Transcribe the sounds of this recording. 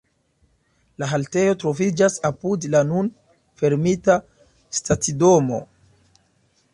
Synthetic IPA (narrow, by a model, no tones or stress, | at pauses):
laɦalte̞jo̞tɾo̞vid͡ʒasapudlanun | fe̞ɾmita | statido̞mo̞̰